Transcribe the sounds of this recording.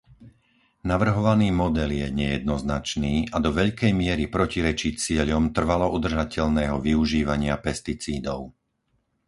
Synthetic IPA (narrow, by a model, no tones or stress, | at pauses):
naʋr̩ɦɔʋaniːmɔd̪ɛljɛɲɛjɛd̪nɔznat͡ʃniːʔad̪ɔʋɛʎkɛjmɪɛɾipɾɔciɾɛt͡ʃit͡sɪɛʎɔmt̪r̩ʋalɔʔud̪r̩ʒacɛʎnɛːɦɔʋiuʒiːʋaɲɪapɛst̪it͡siːd̪ɔʊ